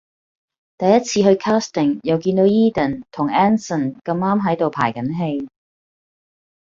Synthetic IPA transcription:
t̪ɐ˨jːɐ˥t̚t͡sʰiː˧ɦɵ˧ɥkʰaː˥st̪ɪ˨˩ŋjɐ˨˧wkiː˧nt̪o˨˥wiː˥t̪ɐ˨˩nt̪ʰʊ˨˩ŋɛː˥nsə˨˩nkɐ˧maː˥mɦɐ˨˥jt̪o˨wpʰa̰ː˨˩jkɐ˨˥nɦe˧j

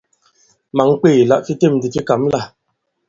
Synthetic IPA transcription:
ma˨˦ŋ˦k͡peː˦˨la˦ʔfi˦te˦˨m˨di˨ki˦ka˨˦mla˦˨

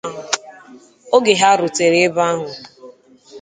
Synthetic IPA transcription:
o˦ɡe˨ɦa˦ɾʊ˨te˨ɾe˦e˦ba˦ɦʊ˨

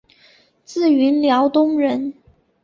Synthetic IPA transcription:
t͡sɹ̩˥˩y˧˥nljɑ˧˥ʊt̪ʊ˥ŋɻə˧˥n

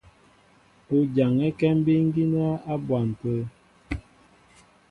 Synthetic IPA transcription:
o˦d͡ʒa˨ŋɛ˦kɛ˦m˦bi˦ŋ̩˦ɡi˦n˦a˦a˦bwa˨m˨pə˦

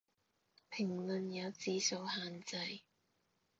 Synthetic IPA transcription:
pʰɪ˨˩ŋlɵ˨˧njɐ˨˧wt͡siː˨so˨˧whaː˨˧nt͡sɐ˧j

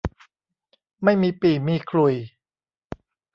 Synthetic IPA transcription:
ma˥˩jmiː˧piː˨˩miː˧kʰɾu˨˩j

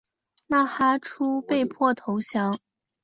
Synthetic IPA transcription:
na˥˩xa˥ʈ͡ʂʰu˥pe˥˧ɪpʰwɔ˥˩t̪ʰo˧˥ʊɕjɑ˧˥ŋ

